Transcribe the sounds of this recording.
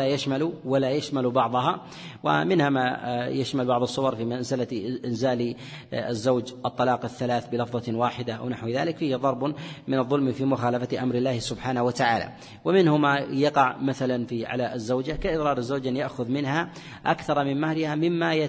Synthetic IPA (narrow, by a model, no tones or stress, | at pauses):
ajaʃmaluwalajaʃmalbɑʕðˤɑɦɑ | wa̰mɪnhamajaʃmalbɑʕðˤɑsˤːʊwɑɾˤfiːmanzɪlaʔɪnzaːl | a̰zːawd͡ʒʔɑt̪ˤːɑlɑːqaθːalaːθbɪlɑfðˤɑwaːħɪd̪aʔa̰wnaħwða̰ːlɪkfiːhɪðˤɑɾˤbmɪnɨðˤːʊlmfiːmʊxaːlafat̪ʔamɾɪlːaːhɪsʊbħaːnahwat̪aʕa̰ːla̰ | wɪmɪnhʊmajɑqɑʕmaθalanfiʕa̰laɪzːawd͡ʒakaʔɨðˤɾɑːɾˤɪzːaːd͡ʒʔanjaʔxʊðmɪnha | ʔa̰kθɑɾˤmɪnmahɾɪhamɪmːaja